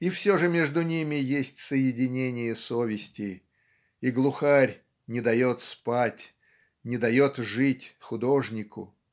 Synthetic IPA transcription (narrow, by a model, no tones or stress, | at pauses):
ifsʲo̞ʐɨmʲe̞ʐd̪ʊnʲimʲɪjesʲtʲsəjɪdʲɪnʲenʲɪjəsovʲɪsʲtʲɪ | iɡlˠʊxarʲ | nʲɪd̪ɐjo̞t̪spatʲ | nʲɪd̪ɐjo̞t̪ʐɨtʲxʊd̪oʐnʲɪkʊ̰